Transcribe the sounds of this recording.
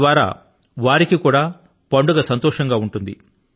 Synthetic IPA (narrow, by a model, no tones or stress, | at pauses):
ʋaːɾa̰ː | ʋaːɾikikuːɽaː | pɐɳɖuɡɐsɐnt̪ɔːʂɐŋɡaːuɳʈund̪ḭ